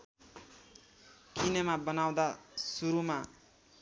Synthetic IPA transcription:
kʰinemabʌnaw̃d̪asuɾuma

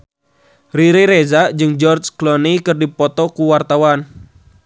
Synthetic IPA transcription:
riɾiɾezaʔd͡ʒɨŋd͡ʒɔrd͡ʒklɔnikɨrdipɔt̪ɔkuwart̪awan

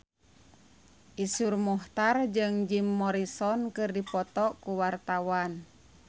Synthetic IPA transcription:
ʔisurmɔht̪ard͡ʒɨŋd͡ʒimːɔɾisɔnkɨrdipɔt̪ɔkuwart̪awan

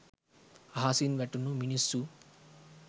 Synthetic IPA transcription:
ɦaːsinʋeʈːunuminisːu

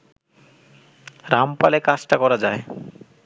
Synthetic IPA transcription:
ɾampalekat͡ɕʈakɔɾad͡ʑae

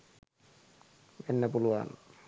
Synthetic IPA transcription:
ʋenːæpuluɑ̰n

